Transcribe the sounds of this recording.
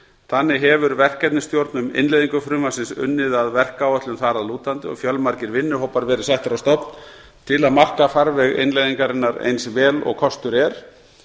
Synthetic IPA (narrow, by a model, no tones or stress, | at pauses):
θanːɪɦɛvʏɾvɛr̥kɛt̪nɪst̪jowɾt̪nʏmɪ̰nlejðiŋkʏfɾʏːmasɪnsʏ̰nːɪðaðvɛr̥kaːwœt̪lʏmθaɾaðluːt̪ant̪ɪɔ̰ɣfjœlmaɾcɪɾvɪnːʏɦowpaɾvɛːɾɪ̥sajht̪ɾast̪ɔpn̥ | t̪ʰɪlaðmar̥kafaɾvɛɣɪ̰nlejðiŋkaɾɪnːaɾḛjnsvɛːlɔ̰ɣkʰɔst̪ʏɾɛɾ̥